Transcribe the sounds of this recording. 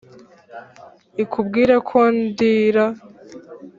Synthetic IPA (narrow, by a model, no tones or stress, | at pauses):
ikʰubɡiːɾakʰondiɾa